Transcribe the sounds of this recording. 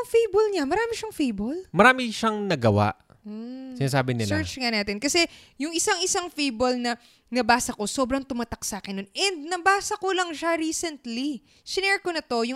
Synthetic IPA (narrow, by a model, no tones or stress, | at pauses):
ɐŋfijbolɲamɐɾaːmɪʃɐŋfejbolmɐɾaːmɪʃaŋnɐɡɐwa̰ʔ | sɪnaːs̬aːbɪnɪlɛɹt͡ʃŋɐnaːt̪ɛnkɐsɛ | jʊŋʔɪsaŋɪsaŋfejbolnɐ | nɐbaːsɐko̞so̞ːbɾɐŋt̪ʊmaːt̪ɐk̚saːkɪnːonʔɛnd̪̚nɐbaːsɐkolɐŋʃaɾiːsɛnt̪li | ʃɪnɛɹkonɐt̪o̞jʊŋ